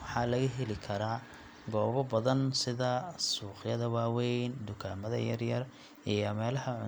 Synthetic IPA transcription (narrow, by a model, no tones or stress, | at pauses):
wħɑːlɐɣɐɦɛlɪkʰɐɾaː | ɡɔːβɔbɐðɐnsɪðɐsuːqjɐðɐwaːwɛjnd̪ʊkʰaːmɐðɐ̰jɐrjɐr | ʔijɔmɛːlɐhɐʕʊ